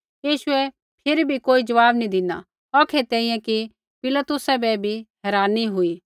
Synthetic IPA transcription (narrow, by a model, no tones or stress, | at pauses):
jiːʃʊɛ | pʰɪɾibʱikoːid͡ʒɐʋaːbnid̪ɪna̰ | ɔːkʰet̪ɛːĩjɛ̃ki | pɪlət̪ʊsɛbɛbʱiɦɛːɾaːniɦʊiː